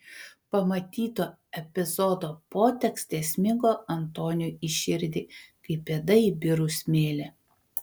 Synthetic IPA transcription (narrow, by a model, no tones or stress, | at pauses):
pɐmɐt̪ʲiːt̪oː | ɛpʲɪzɔd̪oːpoːt̪ʲɛkst̪ʲeːsʲmʲɪŋɡoːɐnt̪oːnʲʊiʃʲɪɾʲd̪ʲɪkɐɪpʲeːd̪ɐibʲɪɾʊsʲmʲeːlʲɛ